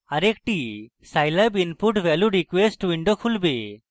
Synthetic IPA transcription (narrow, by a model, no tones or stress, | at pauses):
ɐɾek̚ʈi | sajlabinpuʈʋeluɾikwesʈwiɳɖokʰulbe